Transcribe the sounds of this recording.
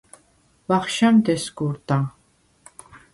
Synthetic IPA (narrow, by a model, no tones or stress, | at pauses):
vaχʃamd̪ɛsɡuɾd̪a